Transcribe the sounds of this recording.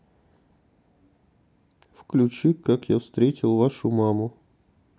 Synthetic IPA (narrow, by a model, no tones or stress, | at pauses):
fklʲʉt͡ɕikakjafst̪ɾʲetʲɪlˠvaʂʊmamʊ